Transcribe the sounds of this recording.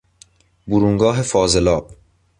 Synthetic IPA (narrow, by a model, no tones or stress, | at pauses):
buɾuŋɡɒːɦe̞fɒːzelɒːb̥